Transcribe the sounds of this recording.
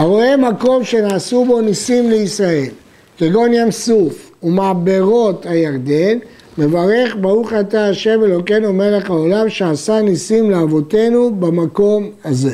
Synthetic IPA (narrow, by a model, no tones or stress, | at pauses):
haʁoemako̞mʃe̞naːsubo̞nisimleisʁae̞l | keɡo̞njamsuf | umaːbe̞ʁo̞thajaʁd̪e̞n | me̞vaʁe̞χbaʁuχataːʃe̞melo̞kenumele̞χao̞lamʃeasanisimleavo̞te̞nubamako̞mhaze̞